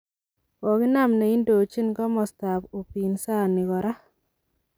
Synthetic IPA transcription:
wɔ˨ki˦na˨mne˨i˦ndo˨t͡ʃi˦nkɔ˦mɔ˨sta˨po˨pi˨nsa˦ni˨kɔ˨ɾa˦

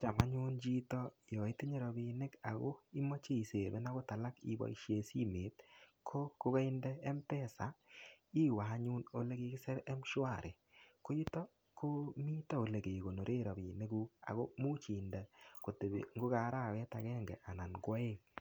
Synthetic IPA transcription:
t͡ʃa˨ma˦ɲu˦nd͡ʒi˦tɔ˦jɔ˨i˦ti˦ɲe˨ɾɔ˨bi˨ne˦ka˨ɣo˦i˦mɔ˦t͡ʃe˦˨se˨be˦na˦ɣo˦ta˨la˦kḭ˦bɔ̰˨i˦ʃje˨si˦me˨˦t̚kʰo˦ko˦ka˦i˦ndɛ˦ɛ˦mpɛ˦sa˨i˦wa˨˦ɲu˦no˦le˦ɡe˧kɪ˦sɛ˦ɾɛ˦mʃwa˦˨ɾe˨ | ko˦i˦tɔ˦ | ko˦mi˦tɔ˦o˨le˨ɡe˨ɡo˨no˨ɾe˦ɾɔ˨bi˨ne˦ɡu˦a̰˨ɣo˦mu˦t͡ʃi˨ndɛ˨ko˨te˨bḛ˨ŋɡo˦ka˨˦ɾa˦˨wɛ˦ta˨ɡɛ˦ŋɡɛ̰˨ʔa˨na˨nɡɔ˦e˦ŋ

